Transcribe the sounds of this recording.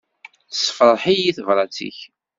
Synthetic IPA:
θsə̥fɾˤɾˤħijiθəvɾˤɑt͡sḭç

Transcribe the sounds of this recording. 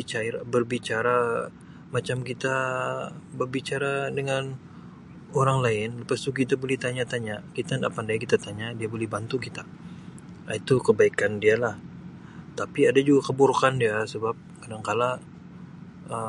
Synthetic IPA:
it͡ʃaabərbit͡ʃaɾa | mat͡ʃamkit̪a | bərbit͡ʃaɾadəŋan | oɾaŋlaɪnləpast̪ukit̪abolɛht̪aɲat̪aɲakit̪anda̰pandajakit̪at̪aɲadiabolɛhbant̪ukit̪a | it̪ukəbaikandialah | t̪apiadad͡ʒuɡakəburkandiasəbap̚kadaŋkala | ə

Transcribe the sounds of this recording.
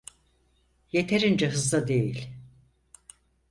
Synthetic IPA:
jet̪ʰeɾind͡ʒɛɦɯzd̪ˠad̪e̞jilʲ

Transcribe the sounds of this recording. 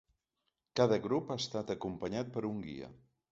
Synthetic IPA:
kaðəɣɾupast̪at̪əkumpəɲat̪̚pəɾuŋɡḭə̰

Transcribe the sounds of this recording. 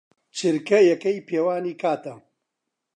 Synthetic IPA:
t͡ʃʰɨɾkɐjɐkɐjpʰeːwaːniːkʰaːt̪ɐ

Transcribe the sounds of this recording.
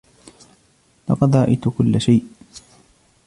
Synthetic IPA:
lɑqɑd̪ɾɑʔɪt̪ʊkʊlːaʃajʔ

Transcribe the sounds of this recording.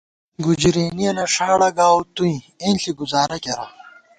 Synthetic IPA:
ɡud͡ʑɾeːnijɐnɐʂaːɽɐɡaːwt̪uĩ | eːnɬiɡuzaːɾɐkɐɾa̰

